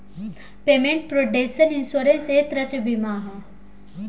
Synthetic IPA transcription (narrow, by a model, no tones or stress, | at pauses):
peːmẽɳʈ̚pɾoːɖesəninsoːɾenset̪ɾɐt̪bimaːɦ